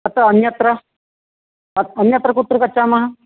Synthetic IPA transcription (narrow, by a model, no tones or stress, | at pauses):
ɐt̪aɐnjɐt̪ɾɐ | ɐɐnjɐt̪ɾɐkut̪ɾɨkɐt͡ʃamɐɦɐ